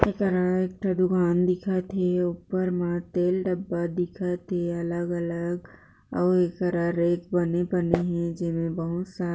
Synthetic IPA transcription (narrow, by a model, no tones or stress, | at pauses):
eːkəɾaeːk̚ʈɾɐd̪ʊɡaːnd̪ɪkʰat̪ʰeʊpəɾmãt̪eːlɖəbːad̪ɪkʰat̪ʰeɐləɡələɡ | ɔːeːkəɾaɾeːkbɐnepɐneɦɛ̃d͡ʒɪmẽbɐɦʊt̪saː